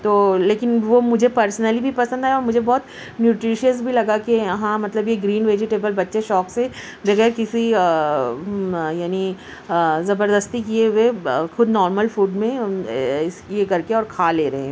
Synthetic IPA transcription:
t̪oːleːkɪnʋomʊd͡ʒʱepɐɾsnəlibʱipɐsə̃nd̪ɦɛɔːɾmʊd͡ʒʱebɔːt̪ | njuːʈɾiːʃiəsbʱilɐɡakeɦãmɐt̪ləbjeɡɾiːnʋeːd͡ʒɪʈeːbəlbɐtːʃeʃɔːkse | bɐɣɛːɾkɪsi | jaːni | zɐbəɾd̪əst̪ikieʋexʊd̪nɔːɾməlfuːɖmẽɪskiekɐɾkeɔːɾkʰaːleːɾɐɦẽ

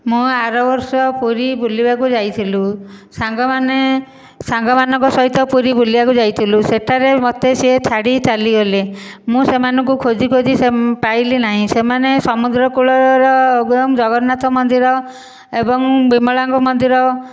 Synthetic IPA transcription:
mũaɾɔbɔɾsɔpuɾibʱulibakud͡ʒajt̪ʰilusaŋɡɔmane | saŋɡɔmanɔ̃ŋkɔsɔɦit̪ɔpuɾibulibakud͡ʒajt̪ʰiluseʈʰaɾemot̪eset͡ʃʰaɽit͡ʃaliɡɔle | mũsemanɔŋkukʰod͡ʒikod͡ʒisepailinaɦĩsemanesɔmud̪ɾɔkuɭɔɾɔoɡɾɔmd͡ʒɔɡɔɾnat̪ʰɔmɔnd̪iɾɔ | ebɔŋbimɔɭaŋɡɔmɔnd̪iɾɔ

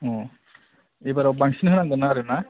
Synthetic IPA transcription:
ɔ̃ | ejbaɾawbaŋsinɦɯnaŋɡɔnaɾɯna

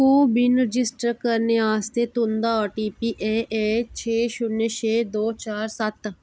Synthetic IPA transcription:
kuːbɪnɾəd͡ʒɪsʈəɾkəɾneːaːst̪eːt̪õnd̪aːɔːʈiːpiːʔeːʔeːt͡ʃʰeːʃʊnːeːt͡ʃʰeːd̪oːt͡ʃaːɾsət̪

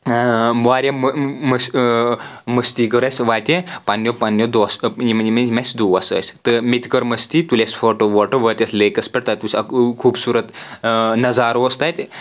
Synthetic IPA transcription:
maɾjamməs | məst̪iːkəɾasʋat̪ʲepanjopanjod̪ɔsimmemesd̪uʋasə̰st̪əmit̪kəɾməst̪iːt̪ulesfɔʈoʋɔʈəɾʋət̪ʲeslekəspɛʈt̪at̪uskʰuːbsuːɾət̪nɐd͡zaɾost̪ajt̪

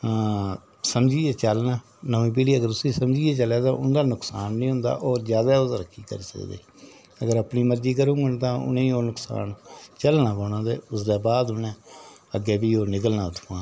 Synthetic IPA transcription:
səmd͡ʒiːɛːt͡ʃəlnaː | nəːĩːp̬iːɽiːəɡəɾʊsiːsəmd͡ʒiːɛːt͡ʃəlaːt̪ã̰ːʔʊnd̪aːnʊksaːnːĩːɦʊ̃nd̪a̰ːʔoːɾzjaːd̪aːʊsɾəkʰːiːkə̰ɾiːsə̰kd̪ḛː | əɡəɾəpniːməɾd͡ʒiːkəɾũːɡənːt̪ãːʊ̰nẽːoːnʊksa̰ːnt͡ʃəlnaːbəːnãːt̪eːʊsd̪ɛːbaːd̪ɦʊnɛ̃ː | əɡeːbiːoːnɪkəlnãːt̪ʰːuːãː

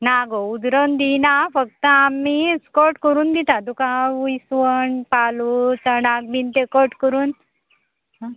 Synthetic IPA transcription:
naɡoud̪ɾənd̪inafək̚t̪əamːiskɔʈkəɾuːnd̪it̪at̪ukãuisʋəɳpalut͡səɽak̚bint̪ekɔɾʈkəɾuːn

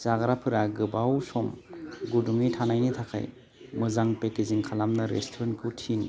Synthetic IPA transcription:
zaɡɾapʰɯɾaɡɯbawsɔmɡuduŋitʰanajnitʰakʰa̰j | mɯzaŋpekiziŋkʰalamnɯɾḛstʰɔɾenkʰɯtʰin

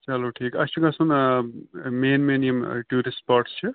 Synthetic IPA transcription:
t͡ʃɐloːʈʰiːkɐst͡ʃuɡɐsun | meːnminijɐmʈuːɾisʈ̚paɾʈst͡ʃʰu

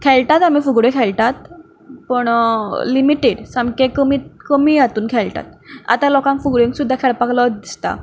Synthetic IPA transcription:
kʰɛlʈat̪am̤ifuɡɽekʰɛlʈat̪ | pəɳlimiʈeɽsamkekəmikəmiːat̪uːnkʰɛlʈa̰t̪̚a̰t̪alɔkãŋkfuɡɽẽŋksud̪ʱːakʰɛɭpakləd̪ist̪a̰

